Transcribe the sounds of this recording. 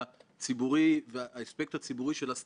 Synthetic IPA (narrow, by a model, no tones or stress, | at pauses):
at͡sibuʁiveaaespek̚tat͡sibuʁiʃe̞las